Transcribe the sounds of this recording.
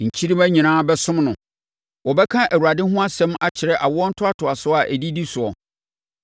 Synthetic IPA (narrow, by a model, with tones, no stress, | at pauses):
ɲ̩˨t͡ɕʰi˦ɾĩ˦mæ˦ɲĩ˨nãː˦bɛ˦sʊ̃˦mnʊ̃˨ | wɔ˨bɛ˦kʰã˦ʔæ˨wu˨ɾa˨dɪ˦ɦʊ̃˦a˦sɛ̃˦ma˦t͡ɕʰɪ˨ɾɛ˦ʔa˨wɔ˦ɔ˦n̩˦tʰʊ˦a˦tʰʊ˨a˨sʊ˦a˨ʔæ˨di˦di˦sʊ˨ɔ˨